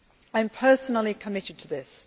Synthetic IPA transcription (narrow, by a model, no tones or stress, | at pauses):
ãɪ̃mpʰɜˑsənl̩ˠikʰəmɪɾɨd̚tʰəðɪs